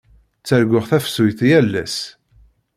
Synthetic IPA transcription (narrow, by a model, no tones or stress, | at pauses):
t͡sːæɾɡʷəʁθæfsujθjælːæ̰s